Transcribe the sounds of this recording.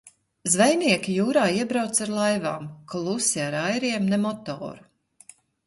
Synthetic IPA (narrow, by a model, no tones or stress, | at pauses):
zvɛjniɛkʲijuːɾaːiɛbɾawt̪saɾlˠajvaːmklˠusiaɾajɾiɛmnemɔt̪ɔ̰ːɾu̥